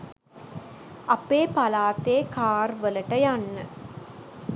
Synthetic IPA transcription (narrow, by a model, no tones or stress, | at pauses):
ɐpeːpɐlaːt̪eːkaːrʋəlɐʈɐjanːə